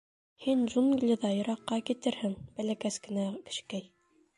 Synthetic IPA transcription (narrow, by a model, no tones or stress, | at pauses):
hinʒunɡlʲiðɑjɤ̆ɾɑqːɑkit̪ɘɾhɘŋb̥ælækæskɘ̆nækɘ̥̆ʃkæj